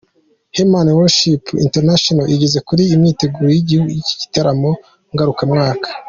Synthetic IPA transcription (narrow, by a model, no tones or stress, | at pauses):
hemanwoʃipḭnteɾnaʃonaʔiɟeze̞kuɾiːmɲiːte̞ɡuːɾojiɟihuɡujici̥ɟi̥taɾamo | ŋɡaɾukamŋaːkḁ